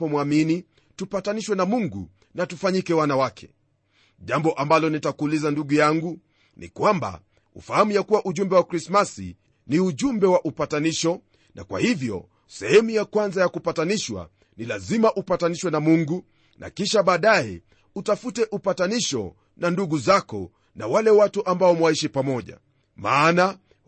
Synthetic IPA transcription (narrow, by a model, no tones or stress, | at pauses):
ɔmwamini | tupataniʃwɛnamuŋɡṵ | natufaɲikɛwanawakʰɛ̥ | ʄambɔʔambalɔnitakuːlizanduɡujaŋɡu | nḭkwamba̰ | ṵfahamujakuwaʔuʄumbɛwakɾismasḭ | niuʄumbɛwaʔupataniʃɔ | nʔa̰kwa̰hivjɔ̰ | sɛhɛmujakwanzajakupataniʃwa̰ | nilazimaʔupataniʃwɛnamuŋɡu | nʔa̰kiʃaɓaːɗajɛ | utafutɛʔupataniʃɔ̰ | nanduɡuzakɔ̰ | nawalɛwatuʔambaɔmwaiʃipamɔʄa̰ | maːna